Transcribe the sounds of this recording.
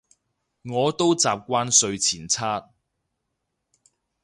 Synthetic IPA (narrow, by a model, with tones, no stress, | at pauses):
ŋɔː˨˧t̪o˥wt͡saː˨p̚kʷaː˥nsɵ˧ɥt͡sʰiː˨˩nt͡sʰaː˥t̚